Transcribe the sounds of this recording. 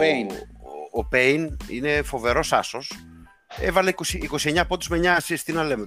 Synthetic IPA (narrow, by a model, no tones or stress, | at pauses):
e | opejnḭne̞fo̞ve̞ɾo̞sɐ̰so̞s | ḛvɐlekosiːko̞sie̞ɲɐpot̪uzmeɲɐsist̪inɐle̞me